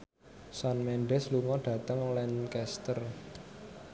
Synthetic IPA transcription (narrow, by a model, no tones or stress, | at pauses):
sɔnmɛnɖɛsluŋɔɖ̥ä̤t̪əŋlɛnkɛst̪ər